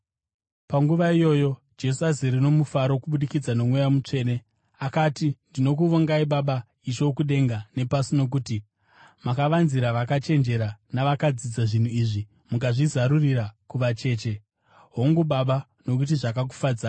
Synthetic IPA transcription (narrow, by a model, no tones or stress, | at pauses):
paŋɡuʋaijo̞ːjo̞ | d͡ʒe̞s̬uaziɾino̞mufaɾo̞kuɓuɗikid͡zano̞mwejamut͡ʂe̞ːne̞ | akatindino̞k̬uʋoŋɡaiɓaɓa | it͡ʃo̞kuɗe̞ŋɡane̞pasino̞k̬uti | makaʋanziɾaʋakat͡ʃe̞nd͡ʒe̞ɾanaʋakad͡zid͡zaʐin̤uiʐi | mukaʐizaɾurirakuʋat͡ʃe̞ːt͡ʃe̞ | ɦo̞ŋɡuɓaɓa | no̞kut̬iʐakak̬u̥fad͡za